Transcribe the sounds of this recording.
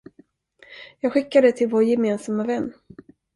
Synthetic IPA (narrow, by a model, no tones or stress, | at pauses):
jɑːɡɧɪkːad̪ət̪ʰɪlvoːɾjɛmeːnsamavɛnː